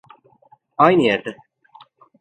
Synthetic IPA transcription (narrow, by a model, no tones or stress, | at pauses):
ajnɯjæɾd̪ɛ